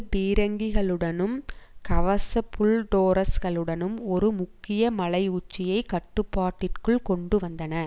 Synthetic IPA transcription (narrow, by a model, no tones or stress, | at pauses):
biːɾɐŋɡiɣɐɭɯɽɐnɯmkɐʋɐsɐpːʊɭɖoːɾɐsɣɐɭɯɽɐnɯmɔɾɯmʊkːɪjɐmɐɭɐɪʊt͡ʃːɪjɐɪkɐʈːɯpːaːʈːɪrkɯɭkɔɳɖɯʋɐnd̪ɐnɐ